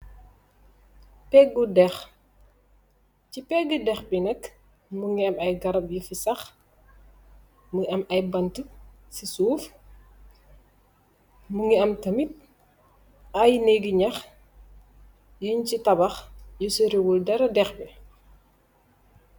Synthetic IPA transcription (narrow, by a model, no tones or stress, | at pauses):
pɛɡːudɛx | cipɛɡːidɛxbinɛk | muŋɡiɐmɐjɡɐɾɐp̚jufisɐx | muʔɐmɐjbɐntu | sisuːf | muŋɡiɐmtɐmit̚ | ʔɐjnɛɡiɲɐx | juɲcitɐbɐxjusəɾiwuldɐɾɐdɛxbi